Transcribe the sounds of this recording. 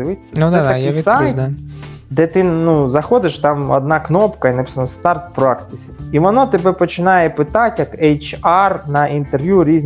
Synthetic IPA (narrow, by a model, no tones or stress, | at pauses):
ɪʋɪt͡sʲːɐnɛt̪ɐkjisaj̪ | d̪ɛt̪ɪnuzɐxɔd̪ɪʃt̪ɑmɔ̰d̪nɑknɔpkɐinɐpɪ̥sɐnɔst̪ɑrt̪pɾakt̪ɪsʲiiʋɔnɔt̪ɛbɛpɔt͡ʃɪnɑjɛpɪt̪ɑtʲjɐkɛjt͡ʃɑrnɐʔint̪erʋjuɾʲizʲ